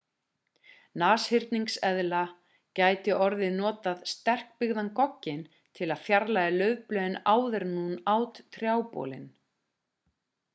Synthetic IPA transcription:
naːshɪɾt̪niŋksɛðla | caːjt̪ɪʔɔɾðɪnɔːt̪aðst̪ɛr̥k̚pɪɣðankɔcːɪn | t̪ʰɪlaðfjaɾlaðɪlœːɥvplœːðɪnaːwðɛɾnunaːwt̪t̪ʰɾjaːwpɔ̰ːlɪ̰n

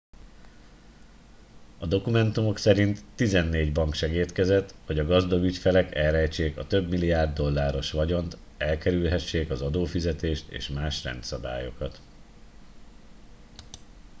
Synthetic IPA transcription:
ɒd̪o̞kumɛnt̪umo̞ksɛɾint̪ːizɛnːeːɟbɒŋkʃɛɡeːt̪kɛzɛt̪ho̞ɟɒɡɒzd̪ɒɡycfɛlɛkɛlrɛjt͡ʃeːkɒ̰t̪ø̞bmilijaːrd̪ːo̞lːaːɾo̞ʃʋɒɟo̞nt̪ | ɛlkɛɾylɦɛʃːeːkɒzɒd̪oːfizɛt̪eːʃt̪ḛːʃmaːʃrɛ̰nt̪sɒb̪a̰ːjo̞kɒt̪

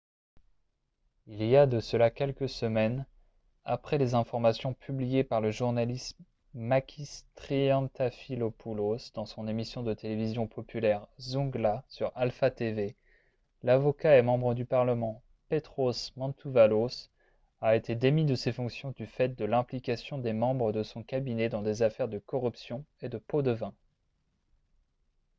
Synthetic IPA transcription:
ilijad̪əsəlakʲɛlkəsəmɛn | a̰pχɛlezɛ̃fɔʁmasjɔ̃pʰyblijepaʁləʒuʁnalis | makʲʰist̪χiɑ̃t̪afilopʰulozd̪ɑ̃sɔ̃nemisjɔ̃d̪ət̪elevizjɔ̃pʰɔpʰylɛʁzɔ̃ɡlasyʁalfat̪eve | lavɔkaɛmɑ̃bʁəd̪ypaʁləmɑ̃ | pet̪χosmɑ̃t̪ʰuvalos | aet̪ed̪emid̪əsefɔ̃ksjɔ̃d̪yfɛt̪̚d̪əlɛ̃plikʲasjɔ̃d̪emɑ̃bʁəd̪əsɔ̃kabinɛd̪ɑ̃d̪ezafɛʁd̪əkɔʁypsjɔ̃ed̪əpod̪əvɛ̃

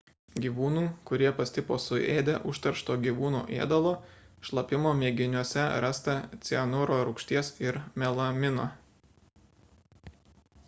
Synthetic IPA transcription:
ɡʲiːʋuːnuːkʊɾʲiɛpɐsʲt̪ʲɪpoːsʊʔeːd̪ʲɛ̰ʔʊʃt̪ɐɾʃt̪oːɡʲiːʋuːnṵːʔḛɛd̪ɐlˠoː | ʃlˠɐpʲɪmoːmʲeːɡʲɪnʲuɔsʲɛɾɑst̪ɐt̪sʲiɛnʊɾoːɾʊkʃʲt̪ʲiɛsɪɾmʲɛlˠɐmʲɪnoː

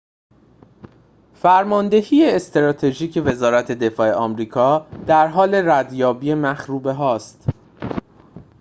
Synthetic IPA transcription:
fæɾmɒːnd̪e̞hiːeːst̪eɾɒːt̪ʰe̞ʒiːcʰe̞ve̞zɒːɾæt̪ʰe̞d̪e̞fɒːe̞ʔɒːmɾiːkʰɒːd̪̥æɾɦɒːle̞ɾæd̪jɒːbiːemæxɾuːbe̞ɦɒːst̪

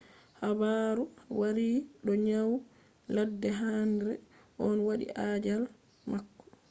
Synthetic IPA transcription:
habaɾuwaɾiɗɔɲaw | ladːɛɦanɾɛ̰ʔɔnwaɗḭʔaːd͡ʒal | makːɔ̥

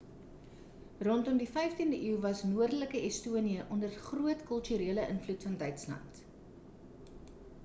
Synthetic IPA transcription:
rɔntɔmdifɛjftindəʔiwvɐsnuərdələkəɛstuəniəʔɔndərχruətkœlˠtyɾiːələʔənflutfɐndœɥtslɐ̰nt

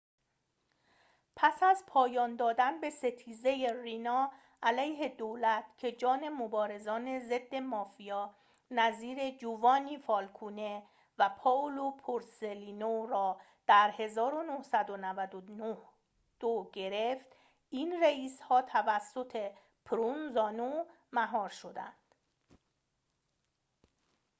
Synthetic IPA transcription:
pʰæsæzpʰɒːjɒːnd̪ɒːd̪ænbe̞se̞t̪ʰiːze̞jerinɒː | ʔælæjɦe̞d̪oːlæt̪ʰcʰe̞d͡ʒɒːne̞mobɒːɾe̞zɒːne̞ze̞d̪ːe̞mɒːfijɒː | næziːɾe̞d͡ʒuːvɒːniːfɒːlkʰuːne̞ | væpʰɒːlopʰoɾseliːnoɾɒː | d̪̥æɾhe̞zɒːɾonohsæd̪onævæd̪onoh | d̪̥oɟe̞ɾe̞ft̪ | iːnreiːshɒːt̪ʰævæsːo̞t̪ʰe̞ | pʰɾunzɒːno | mæɦɒːɾʃo̞d̪æ̰nd̪̥

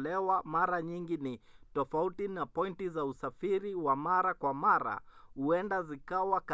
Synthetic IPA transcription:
lɛwamaɾaɲiŋɡinitɔfautinapɔintizausafiɾiwamaɾakwamaɾa̰huɛndazikawak

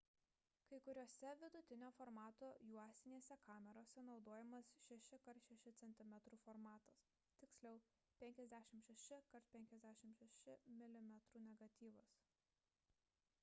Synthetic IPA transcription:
kɐɪkʊɾʲoːsʲɛʋʲɪd̪ʊt̪ʲɪnʲoːfɔɾmɑːt̪oːjuɔst̪ʲɪnʲeːsʲɛkɑːmʲɛɾoːsʲɛnɒʊd̪oːjɛmɐsʃʲɛʃʲɪkɐɾt̪ʃʲɛʃʲɪt̪sʲɛnʲt̪ʲɪmʲɛt̪ɾuːfɔɾmɑːt̪ɐs | t̪ʲɪksʲlʲɛʊ | pʲɛŋʲkʲɛzʲd̪ʲæːʃʲɪmʃʲɛʃʲɪkɐɾt̪pʲɛŋʲkʲɛzʲd̪ʲæːʃʲɪmʃʲɛʃʲɪmʲɪlʲɪmʲɛt̪ɾuːnʲɛɡɐt̪ʲiːʋɐs

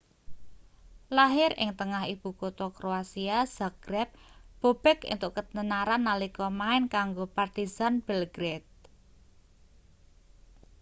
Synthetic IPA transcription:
laɦɪɾɪ̰ŋt̪əŋaɦib̥ṳkot̪ɔkɾoasiaz̥aɡ̥ɾɛp̚b̥o̤b̥ɛkɪ̰nt̪ʊʔkət̪nənaɾanːalikɔmaɪnkaŋɡopart̪izanb̥ɛlɡɾet̪̚

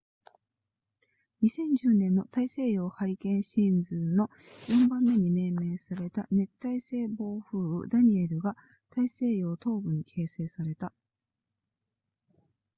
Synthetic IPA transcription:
ɲ̟isẽ̞ɲ̟d͡ʑɨːnẽnːo̞t̪aise̞ːjo̞ːhaɾʲikẽ̞ɰ̃ɕĩnd͡zɨno̞ | jõ̞mbãmːe̞ɲ̟ime̞ːme̞ːsaɾe̞t̪ane̞t̪ːaise̞ːbo̞ːɸɯ̟ːɯ̰d̪aɲ̟ie̞ɾɯ̟ɡa | t̪aise̞ːjo̞ːt̪o̞ːbɯ̟ɲ̟ikʰe̞ːse̞ːsaɾe̞t̪a

